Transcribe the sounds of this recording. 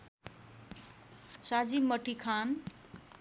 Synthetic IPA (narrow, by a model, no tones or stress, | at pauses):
sad͡zimʌʈikʰan